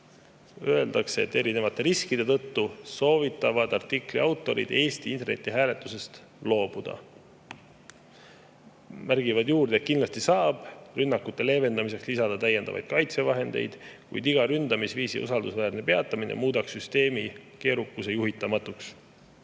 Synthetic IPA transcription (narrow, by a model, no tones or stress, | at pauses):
ø̞e̞ld̪̥ɑkseḛt̪ːe̞ɾine̞vɑt̪ːˑe̞ɾiskid̪e̞t̪ɤ̞t̪ːuso̞ːvit̪ːˑɑvɑd̪̥ɑrt̪ːˑikˑliɑwt̪ːˑo̞ɾḭd̪e̞ːst̪iint̪e̞rne̞̰t̪ːˑiɦæːle̞t̪ːˑuse̞st̪ | lo̞ːb̥ud̪̥ɑ̰ | mærɡ̥ivɑd̪juːrd̪et̪̚kinlɑst̪isɑːb̥rynːɑkːut̪ːe̞le̞ːve̞nd̪ɑmis̬e̞kslisɑd̪̥ɑt̪æje̞nd̪ɑ̰vɑ̰jd̪̥̚kɑjt̪se̞vɑɦe̞nd̪e̞̰jd̪̥kṵjd̪iɡ̥ɑɾynd̪̥ɑmisviːsḭṵsɑld̪usvæːrne̞pe̞ɑt̪ːˑɑminḛmuːd̪̥ɑksyst̪e̞ːmike̞ːɾukːˑuse̞juɦit̪ːˑɑmɑt̪ːˑuks